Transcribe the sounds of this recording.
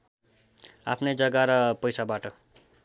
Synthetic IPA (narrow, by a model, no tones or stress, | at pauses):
apʰnʌjd͡zʌɡaɾʌpʌjsabaʈʌ